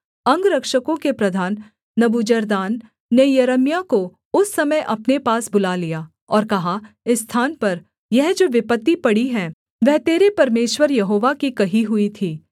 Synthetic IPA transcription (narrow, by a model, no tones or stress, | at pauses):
ɐ̃ŋɡɾɐkʃəkõkepɾɐd̪ʱaːnː | ɐbud͡ʒəɾd̪aːnː | ejɐɾəmjako | ʊsːɐməjʔɐpnepaːsbʊlalijaː | ɔːɾkɐɦa | ɪsːt̪ʰaːnpɐɾ | jɛɦd͡ʒoːʋɪpət̪ːipɐɽiɦɛ̃ː | ʋɛɦt̪eːɾepɐɾmeːʃwəɾjɐɦoːʋakikɐɦiɦʊit̪ʰiː